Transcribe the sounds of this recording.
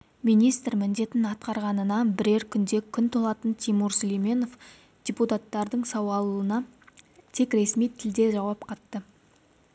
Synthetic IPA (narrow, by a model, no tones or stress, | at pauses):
minijst̪ɾmɪnd̪e̞t̪ɪnɑt̪qɑɾʁɑnənɑbɪɾe̞ɾkʲʰʏnd̪e̞kʲʰʏnt̪ʰolˠɑt̪ənt̪ʰimuɾsolˠijme̞no̞f | d̪̥ʲeput̪at̪ːɑɾd̪əɴsɑwɑlˠənɑt̪ʰe̞kɾe̞smijt̪ʰɪld̪e̞ʒɑwɑpqʰɑt̪ːə